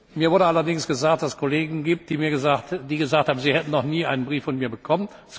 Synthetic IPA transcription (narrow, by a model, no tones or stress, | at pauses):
miːɐvʊɐɾəalɐdɪŋsɡ̥əzaːk̚td̥asəskʰoleːɡŋ̩ɡiːp̚t̚d̥iːmiːɐɡəzatdiːɡəzaːkthaːbm̩ziːhɛtn̩nɔχniːʔa̰ɪnənbʁiːfɔnmiːɐbəkʰɔmən | s